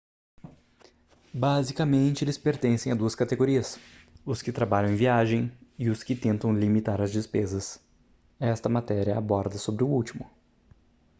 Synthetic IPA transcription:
bazikɐmẽnt͡ʃɪelɪspeɾt̪ẽsẽj̃ɐd̪uɐskat̪eɡoɾiɐsʊskɪt̪ɾabaʎɐ̃ẽviaʒẽj̃ɪʊskɪt̪ẽnt̪ɐ̃w̃limit̪aɾɐzd͡ʒɪspezɐs | ɛst̪ɐmat̪ɛɾiɐabɔɾd̪ɐsobɾɪʊuwt͡ʃimʊ

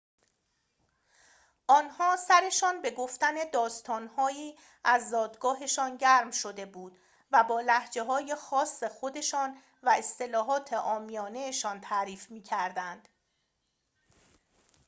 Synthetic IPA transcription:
ʔɒːnhɒːsæɾe̞ʃɒːnbe̞ɡoft̪æne̞d̪ɒːst̪ʰɒːnhɒːiː | æzd̪ɒːd̪ɡɒːɦe̞ʃɒːnɟæɾmʃo̞d̪e̞buːd̪̥ | væbɒːlæhd͡ʒe̞ɦɒːje̞xɒːsːe̞xo̞d̪e̞ʃɒːn | væe̞st̪e̞lɒːɦɒːt̪ʰe̞ʔɒːmijɒːne̞ʃɒːnt̪ʰæɾiːfmiːcʰæɾd̪ænd̪̥

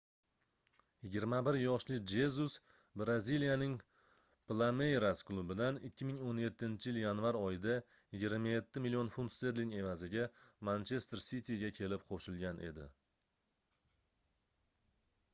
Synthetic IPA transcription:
jɪɡʲɪɾmabɪɾjɒʃlɪd͡ʒe̞zus | bɾazilijanɪŋ | plˠame̞jɾasklˠubɪd̪anɪkʲʰːɪmɪŋonje̞t̪ʰːɪnt͡ʃʰɪjɪljanvaɾɒjɪd̪a | jɪɡʲɪɾmaje̞t̪ʰːɪmilijo̞nfund̪st̪e̞ɾliŋe̞vazɪɡʲamant͡ʃʰe̞st̪ɾsit̪ʰʲiɡʲakʲʰe̞lɪpqʰoʃɪlɡʲanʔe̞̰d̪ɪ̰

